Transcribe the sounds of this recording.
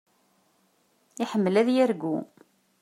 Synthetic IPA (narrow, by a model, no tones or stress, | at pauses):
ɪħəmːəlæðjæɾɡu